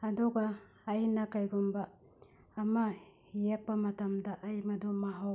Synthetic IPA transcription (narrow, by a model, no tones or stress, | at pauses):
hadɔɡaː | jnakajɡɔmbaː | mahijek̚pɐmɐtamdaʔajmɐdɔmaɦa